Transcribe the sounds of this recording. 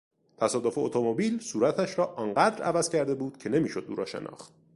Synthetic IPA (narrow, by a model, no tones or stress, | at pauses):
t̪ʰæsɒːd̪ofeot̪ʰomobiːlsuːɾæt̪ʰæʃɾɒːʔɒːnɢæːd̪ɾʔævæz̥cʰæɾd̪e̞buːd̪̥cʰe̞ne̞miːʃo̞d̪̚ːuːɾɒːʃe̞̰nʔɒ̰ːχt̪̚